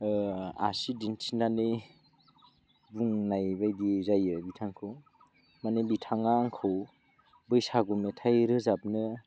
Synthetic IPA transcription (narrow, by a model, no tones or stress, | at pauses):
a̰sidintʰinanɯj | buŋnajbajdizajɯbitʰaŋkʰɯw | manebitʰaŋaŋkʰɯw | bɯjsaɡumetʰajɾɯzap̚nɯ